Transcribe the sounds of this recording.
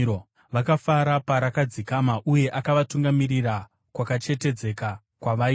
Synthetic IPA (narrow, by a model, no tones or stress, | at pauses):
o | ʋakafaɾapaɾakad͡zikamaʔuje̞ʔakaʋatuŋɡamirira | kwakat͡ʃe̞te̞d͡ze̞ka | kwaʋai